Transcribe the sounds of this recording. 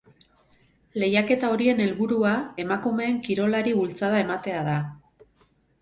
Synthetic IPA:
le̞jake̞t̪ao̞ɾie̞ne̞lβuɾuae̞makume̞ːŋkiɾo̞laɾiβult͡saðae̞mat̪e̞aða

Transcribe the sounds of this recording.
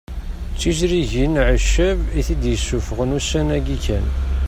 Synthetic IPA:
t͡sːiʒɾiʝinʕəʃəviθid̪jəsːufəʁənusænæɡikæn

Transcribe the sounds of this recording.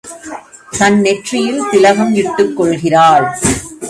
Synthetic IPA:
t̪ɐnːɛʈrɪjɪlsɪlɐɣɐmjɪʈːɯkːɔɭɣɪraːɭ

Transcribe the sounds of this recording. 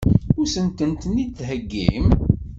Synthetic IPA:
ʊɾsənt̪ənt̪nit͡s̪ːɦəɡːḭm

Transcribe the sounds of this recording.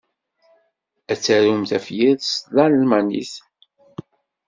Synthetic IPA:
æt͡sːæɾumθæfjiðsðɑllmænḭθ

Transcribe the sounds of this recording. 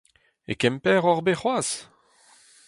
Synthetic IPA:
ḛkɛmpɛːʁɔʁbeχwaːs

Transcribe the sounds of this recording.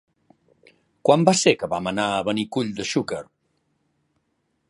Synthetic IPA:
kwambasekəβamənaəβənikuʎd̪əʃukəɾ

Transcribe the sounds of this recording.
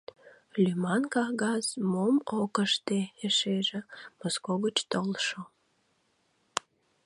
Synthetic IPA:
lʲymɑnkɑɣɑsmomokəʃt̪eeʃeʒĕmoskoɣət͡ɕt̪olʃo

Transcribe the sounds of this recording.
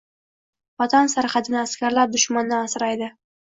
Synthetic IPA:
ɒt̪ʰansaɾχɑt̪ʰɪnɪaskʲaɾlaɾd̪ʊʃmand̪anasɾajd̪ɪ

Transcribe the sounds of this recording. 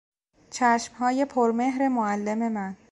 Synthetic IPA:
t͡ʃʰæʃmhɒːje̞pʰoɾme̞ɦɾemoælːe̞me̞mæn

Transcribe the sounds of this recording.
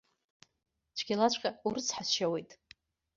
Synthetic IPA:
t͡ʃʷʰɡʲalat͡ɕʷʼqʲʼauɾɨt͡sʰħasʃawe̞jtʼ

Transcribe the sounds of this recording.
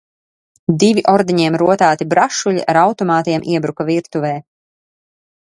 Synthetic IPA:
d̪iviʔɔɾd̪iɲiɛmɾuɔt̪aːt̪ibɾaʃuʎʲḭʔaɾawt̪ɔmaːt̪iɛmʔiɛbɾukaviɾt̪uvɛː

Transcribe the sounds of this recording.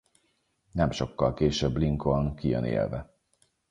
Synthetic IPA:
nɛmʃo̞kːɒlkeːʃɛbːliŋkolnkijø̰nḛːlvɛ

